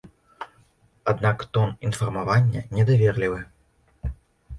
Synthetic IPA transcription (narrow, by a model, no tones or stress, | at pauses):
ad̪nakt̪ɔninfɐrmavanʲːɐ̰nʲɛd̪avʲɛrlʲivɨ